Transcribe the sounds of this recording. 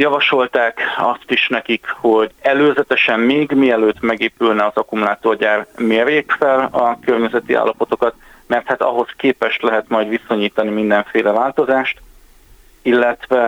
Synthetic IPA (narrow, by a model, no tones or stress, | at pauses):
jɒvɒʃo̞lt̪aːkɒst̪iʃnɛkikho̞ɟɛløːzɛt̪ɛʃɛmmeːɡmiɛløːt̪mɛɡeːpylnɛɒzɒkumulaːt̪oːrɟaːrmeːrjeːkfɛlɒkørɲɛzɛt̪iʔa̰ːlːɒpo̞t̪o̞kɒt̪ | mɛrt̪haːt̪ɒ̰ɦo̞skeːpɛʃt̪lɛɦɛt̪mɒjd̪ʋiso̞ɲiːt̪ɒnimind̪ɛɱfeːlɛvaːlt̪o̞zaːʃt̪ | ilːɛt̪vɛ